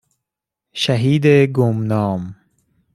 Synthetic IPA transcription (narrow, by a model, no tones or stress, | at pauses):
ʃæɦiːd̪eɡomnɒːm